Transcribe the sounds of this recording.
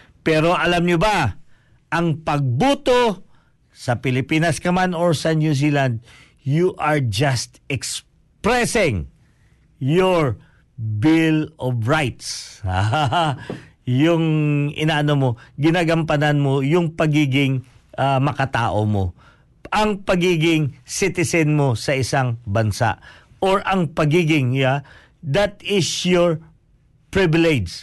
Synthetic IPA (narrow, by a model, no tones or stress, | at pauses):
pɛɾo̞ʔɐlamɲʊba | ʔɐŋpɐɡ̚buːt̪o | sɐpɪlɪpiːnɐskɐmanoɹsɐnjuziland̪̚ | juʔaɹd͡ʒast̪ɛks | pɾɛsɪŋ | joɹ | bɪlɔvɹajt̪shaaa | jʊŋʔɪ̰naːʔɐnomo̞ɡɪnaːɡɐmpɐnanmojʊŋpɐɡiːɡɪŋʔamɐkɐt̪a̰ːʔomo | ʔɐŋpɐɡiːɡɪŋsɪt̪ɪsɛnmo̞sɐʔɪsaŋbɐnsa̰ʔʔoɹʔɐŋpɐɡiːɡɪŋja | d̪at̪ɪsjoɹ | pɹɪvɪlɛd͡ʒ